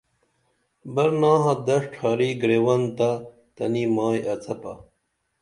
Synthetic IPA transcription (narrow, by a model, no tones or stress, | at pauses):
bɐɾnaːɦɐ̃d̪ɐʂʈʰaːɾiɡɾeːwɐnt̪a | t̪ɐnimaːjɐt͡sɐpɐ̰